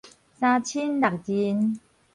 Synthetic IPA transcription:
sa˧t͡ɕʰi˦˥nda˨˩k̚di˧˩n

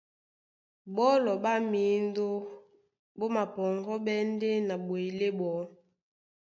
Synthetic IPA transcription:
bɔ˦lɔ˨ba˦mi˨˦n˦do˦ | bo˦ma˨pɔ˨ŋɡɔ˦ɓɛ˦n˦de˦na˨bwe˨le˦bɔ˨˦

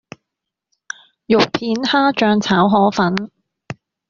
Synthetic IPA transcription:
jʊ˨k̚pʰiː˨˥nhaː˥t͡ʃœː˨˧ŋt͡sʰaː˨˥wɦɔː˨˥fɐ˨˥n

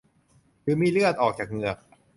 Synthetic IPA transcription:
kɯː˨˦miː˧ɾɯ˥˩ət̪̚ʔɔː˨˩k̚t͡ɕaː˨˩k̚ŋɯ˨˩ɐək̚

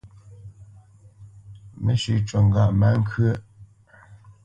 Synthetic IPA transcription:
me˨˦ʃʉ˨t͡ʃɔ˨ŋ˦ɡa˨ʔma˦ŋ̩˦kʰə˦

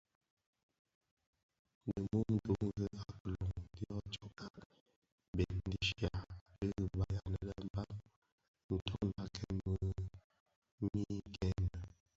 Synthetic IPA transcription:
nə˨mo˦n̩˦də˦ŋ˦ɡə˦a˨klɔ˨ŋdi˦ɔ˦t͡ʃɔ˦ka˦ | bɛ˨n˦di˨ʃja˨lə˦ə˨ba˨ja˨nə˨lə˨˦m˦ba˦ | n̩˨tʰɔ˦n˦la˦kʰɛ˦mmə˨˦ | mi˦kɛ˦nə˨

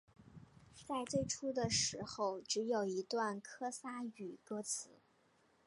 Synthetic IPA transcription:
t͡sa˥˧ɪt͡swe˥˩ɪʈ͡ʂʰu˥d̪ə˨ʂɻ̩˧˥xo˥˩ʊʈ͡ʂɻ̩˧˥jo˨˩ʊi˧˥t̪wa˥˩nkʰɤ˥sa˥y˨˩kɤ˥t͡sʰɹ̩˧˥˦

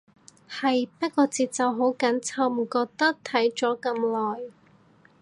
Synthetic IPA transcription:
hɐ˨jpɐ˥t̚kɔː˧t͡siː˨t̚t͡sɐ˨wɦo˨˥wkɐ˨˥nt͡sʰɐ˧wm̩˨˩kɔː˧k̚t̪ɐ˥k̚t̪ʰɐ˨˥jt͡ʃɔː˨˥kɐ˧mlɔː˨˩j

